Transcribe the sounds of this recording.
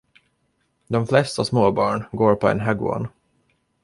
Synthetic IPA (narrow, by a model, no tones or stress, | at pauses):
d̪ɔmflɛst̪asmoːbɑːɳɡoːɾpʰɔɛ̰nɦaɡʊ̰ɔ̰n